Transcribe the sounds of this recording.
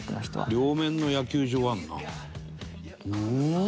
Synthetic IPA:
ɾʲo̞ːmẽ̞nːo̞jakʲɨːʑo̞ːanːa̰

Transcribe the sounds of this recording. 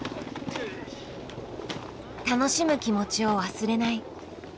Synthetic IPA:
t̪ano̞ɕimɯ̟kʲimo̞t͡ɕio̞βasɨɾe̞nai

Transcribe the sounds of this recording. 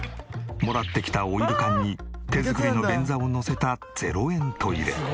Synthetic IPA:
mo̞ɾat̪ːe̞kʲi̥t̪aoiɾɯ̟kãɲ̟ːit̪e̞zɨkɯ̟ɾʲino̞bẽ̞nd͡zao̞no̞se̞t̪a | d͡z̥e̞̰ɾo̞ẽ̞nt̪ʰo̞iɾe̞̰

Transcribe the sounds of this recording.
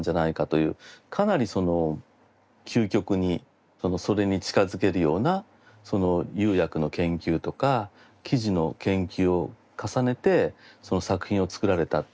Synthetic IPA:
ɲd͡ʑanaikat̪o̞jɯ̟̰ːkʰanaɾʲiso̞no̞ | kʲʰɨːkʲo̞kɯ̟ɲ̟i | so̞no̞so̞ɾe̞ɲ̟it͡ɕi̥kazɨke̞ɾɯ̟jo̞ːna | so̞no̞jɨ̟ːjakɯ̟no̞kẽ̞ŋkʲɨːt̪o̞ka | kʲiʑino̞kẽ̞ŋkʲɨːo̞ | kasane̞t̪e̞so̞no̞sakɯ̟̥çĩɰ̃o̞t͡sɨ̥kɯ̟ɾaɾe̞t̪a

